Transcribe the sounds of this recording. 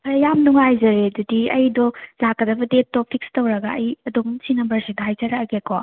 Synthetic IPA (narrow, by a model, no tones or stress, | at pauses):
pʰɐɾɐjamnuŋajzɐɾedudiɐ̰jdɔlakːɐdɐbɐdet̚tːɔpʰik̚stɐwɾɐɡaɐjɐdomsinɐmbɐɾsedaajkʰɐɾɐɡekʰo